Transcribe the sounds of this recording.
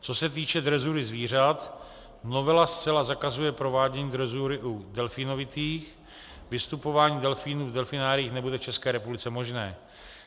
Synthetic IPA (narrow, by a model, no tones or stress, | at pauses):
t͡so̞sɛt̪̬iːt͡ʃɛd̪ɾɛzuɾɪzviːr̝at̪ | no̞vɛlast͡sɛlazakazujɛpɾo̞vaːɟɛɲiːd̪ɾɛzuɾɪʔudɛlfiːno̞vɪt̪iːx | vɪst̪upo̞vaːɲiːdɛlfiːnuːvdɛlfɪnaːɾiːxnɛbudɛft͡ʃɛskɛːɾɛpublɪt͡sɛmo̞ʒnɛː